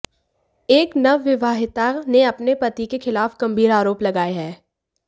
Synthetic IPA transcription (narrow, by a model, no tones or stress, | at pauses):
eːknɐʋːɪʋaːɦɪt̪aneɐpnepɐt̪ikexɪlaːfɡ̥ɐ̃mbʱiːɾaːɾoːplɐɡaːeɦɛː